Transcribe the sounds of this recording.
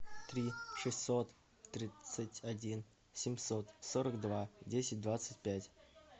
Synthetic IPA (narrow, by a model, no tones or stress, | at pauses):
t̪ɾʲiʂɨsʲot̪ː | ɾʲit̪sətʲadʲin | sʲɪmʲsot̪soɾəkd̪vadʲesʲɪt̚ʲd̪vat̪sətʲpʲætʲ